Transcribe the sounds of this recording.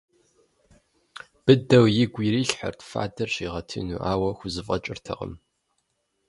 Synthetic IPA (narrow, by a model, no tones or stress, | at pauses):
b̥ɨdɐwjɪɡʷiɾiːɬħə̰rtfa̰ːdɐrɕiʁɐtʰɨ̰nṵːʔaːwɐxʷʊzɨfʼɐt͡ʃʼɪrtʰɐ̰ʁə̰m